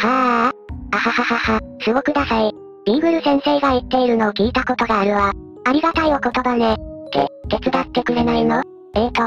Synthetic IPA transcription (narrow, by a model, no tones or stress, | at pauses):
ha | ahahahahasɨɡo̞kɯ̟d̪asai | ɡʲi̟ːɡɯ̟ɾɯ̟sẽɰ̃se̞ːɡait̪ːe̞iɾɯ̟no̞ːkʲiːt̪ako̞t̪o̞ɡaːɾɯ̟βa | aɾʲiɡat̪aio̞ko̞t̪o̞banet̪ḛk̪e̞t͡sɨd̪at̪ːe̞kɯ̟ɾe̞naino | eːt̪o